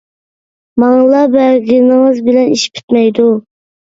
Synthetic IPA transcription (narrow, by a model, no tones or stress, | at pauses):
mɑŋlˠɑbɛɾɡʲinɪŋɨzbɪlɛniʃp̚ʰi̥t̪mɛjd̪u